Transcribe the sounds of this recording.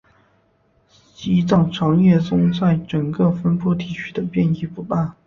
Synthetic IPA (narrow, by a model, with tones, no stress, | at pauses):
t͡ɕi˧˥t͡sɑ˥˩ŋʈ͡ʂʰɑ˧˥ŋjɛ˥˩t͡sʊ˥ŋswa˥˩ɪʈ͡ʂə˨˩ŋkɤ˥˧fə˥npu˥˩t̪i˨˩t͡ɕʰy˥d̪ə˨pjɛ˥˧ni˥˩pu˧˥pa˥˩n